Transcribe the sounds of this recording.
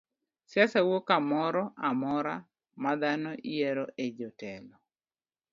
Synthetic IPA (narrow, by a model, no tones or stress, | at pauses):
sjasawokamɔɾɔamɔɾa | mad̪anɔʔijɛɾɔʔed͡ʒɔtɛlɔ